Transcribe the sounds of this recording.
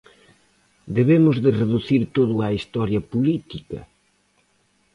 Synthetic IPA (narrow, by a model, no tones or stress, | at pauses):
d̪eβemʊzðɪreðuθiɾt̪oðʊaist̪ɔɾjɐpulit̪ikɐ̰